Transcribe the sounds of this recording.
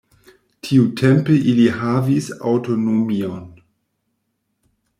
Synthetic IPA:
tʰiutʰempeʔiliɦavisa̰wtonomion

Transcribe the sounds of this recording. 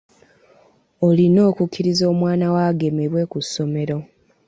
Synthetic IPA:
olino̞ːkukʲːiɾizo̞ːmwaːnawaɡe̞meɾwe̞kusːo̞me̞ɾo̞

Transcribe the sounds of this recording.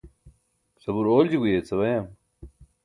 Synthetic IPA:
sɐbuɾoːld͡ʑiɡujet͡sʰɐβɐjam

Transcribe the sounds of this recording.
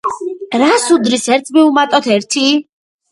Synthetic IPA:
ɾasud̪ɾisɛɾt̪ʰmiumat̪ʼɔt̪ʰɛɾt̪ʰi

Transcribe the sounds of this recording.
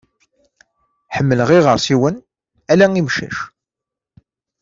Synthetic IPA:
ħəmːələʁiʁəɾˤsiwən | ælæŋimʃæ̰ʃ

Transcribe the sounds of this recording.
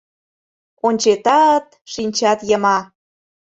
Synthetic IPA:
onʲt͡ɕet̪ɑt̪ | ʃinʲt͡ɕɑt̪jəmɑ

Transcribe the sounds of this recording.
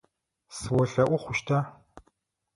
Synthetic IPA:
sɨwɔɬɐʔʷʊχʷʊʃtʰa

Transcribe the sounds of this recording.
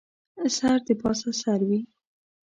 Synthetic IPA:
saɾd̪əpɑsasaɾwi

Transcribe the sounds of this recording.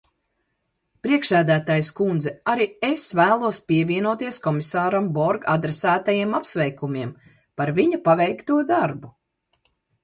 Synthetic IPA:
pɾiɛkʃæːd̪æːt̪aːjuskund̪zɛaɾiesvæːlˠuɔspiɛvʲiɛnuɔt̪iɛskɔmisaːɾambɔɾɡad̪ɾɛsæːt̪ajiɛmapsvɛjkumiɛm | paɾviɲupavɛjkt̪uɔd̪aɾbu

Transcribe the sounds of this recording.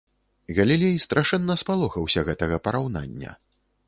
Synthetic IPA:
ɣɐlʲilʲejst̪ɾʔaʂɛnːɐspalˠɔxɐwsʲɐɣɛt̪ɐɣɐpɐɾawna̰nʲːɐ̰

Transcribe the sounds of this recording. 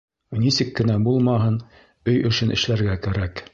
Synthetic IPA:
nisɘkːɘ̆næbulˠmɑɦɤn | ɵjɵ̆ʃɘnʔɘ̆ʃlæɾɡækæɾæk

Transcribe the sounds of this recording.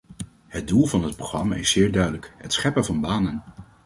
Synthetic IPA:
hət̚dulˠvɑnɦət̚proχrɑma̰ːɪsɪːɹdœɥdələkɦətsχɛpəvɑnbaːnən

